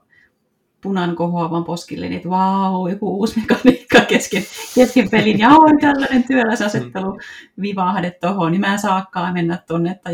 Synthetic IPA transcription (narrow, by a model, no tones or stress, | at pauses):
punɑŋkohoɑʋɑmposkilːḛniet̪ʋɑujokuuːsmekɑniːkːɑkeskenkeskempelinjɑolʲt̪ælːɑnent̪yælæsɑset̪ːeluʋiʋɑhdet̪t̪ohonnimæːsɑːkːɑːmenːæt̪t̪onːet̪ːɑ